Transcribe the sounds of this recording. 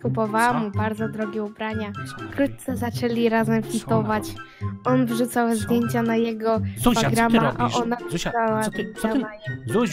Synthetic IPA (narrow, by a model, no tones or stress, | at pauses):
kupɔvawamubaɾd̪zɔd̪ɾɔɡʲɛubɾaɲafkɾut̪̚t̪sɛzat͡ʂɛlʲiɾazɛmfʲit̪ɔvat͡ɕ | ɔnvʐut̪sawɛzd̪ʲjeɲt͡ɕanajɛɡɔpaɡ̪ɾamaʔaʔɔnavʐawavuaa